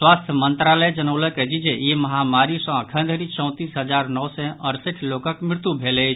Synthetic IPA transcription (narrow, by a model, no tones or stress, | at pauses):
swast̪ʰjəmənt̪ɾaləjd͡ʒənəʊləked͡ʒid͡ʒejeməɦamaɾisə̃kʰə̃nd̪ʱəɾit͡ʃɔ̃ʊ̃t̪isɦəd͡ʒaɾnɔwsɛʔəɾsiʈʰlokəkmɪɾt̪jubʱelet͡ʃ